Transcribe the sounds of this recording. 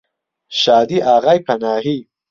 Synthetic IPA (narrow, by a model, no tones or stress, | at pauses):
ʃɑːd̪iʔaːɣajpʰɐnɑːɦi